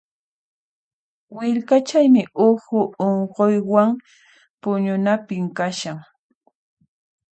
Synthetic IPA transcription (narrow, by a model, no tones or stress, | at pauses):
wɪɾkat͡ʃajmɪʔʊxʊoɴqojwaŋ | pʊɲʊnapɪmkaʃaŋ